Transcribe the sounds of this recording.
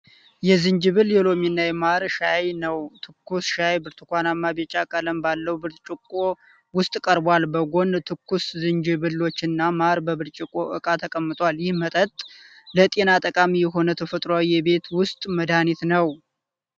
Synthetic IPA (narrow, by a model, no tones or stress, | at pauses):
jɛzɨɲd͡ʒɨβɨljɛlo̞minːajɛmaɾʃajnəwt̪ʰɨkːusʃajbɨɾt̪ʰɨ̥kʷanamːabet͡ʃʼakʼələmbalːəwbɨɾt̪t͡ʃʼɪkʼːo | wʊst̪ʼkʼəɾbalbəɡo̞nt̪ʰɨkːuszɨɲd͡ʒɨβɨlːo̞t͡ʃːɨnːamaɾbəβɨɾt͡ʃʼɪkʼːoʔɨ̰kʼat̪ʰəkʼəmːɨt̪ʼwaljɪhmət̪ʼət̪ʼ | lət̪ʼe̞nat̪ʼəkʼamijɛɦo̞nət̪ʰəfət̪ʼɾoawijɛbe̞t̪wʊst̪ʼməd̪anit̪nəw